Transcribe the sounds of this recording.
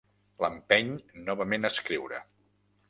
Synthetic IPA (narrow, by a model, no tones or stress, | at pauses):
ləmpɛɲnɔβəmenəskɾiwɾə̰